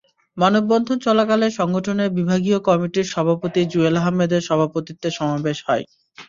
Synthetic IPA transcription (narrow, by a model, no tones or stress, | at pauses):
manobːɔnd̪ʱont͡ɕɔlakaleɾʃɔŋɡoʈʰoneɾbibʱaɡiokɔmiʈiɾʃɔbʱapot̪id͡ʑuelaɦamːed̪eɾʃɔbʱapot̪it̪ːeʃɔmabeʃhɔe